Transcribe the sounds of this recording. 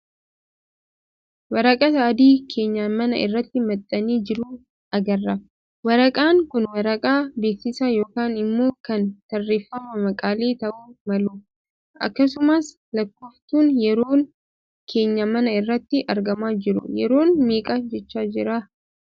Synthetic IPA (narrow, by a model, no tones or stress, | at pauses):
wɐɾɐkʼɐsɐːd̪iːkʰe̞ːɲːaːnmɐnɐ̰ɪ̰rːɐt̪ːɪmɐt̪ʼːɐniːd͡ʒɪɾuː | ɐɡɐrːɐ | wɐɾɐkʼaːŋkʊnwɐɾɐkʼaːbeːksɪsaːjo̞ːkaːnɪmːo̞ːkɐnt̪ɐrːeːfːɐmɐmɐkʼaːleːt̪ɐʔuːmɐluː | ʔɐ̰kːɐs̬ʊmɐs | lɐkːoːft̪uːnjɛɾoːŋ | kʰe̞ːɲːɐmɐnɐɪrːɐt̪ːɪʔɐɾɡɐmaːd͡ʒɪɾʊ̰jɛ̰ɾo̞ːnmeːkʼad͡ʒɛt͡ʃːaːd͡ʒɪɾaː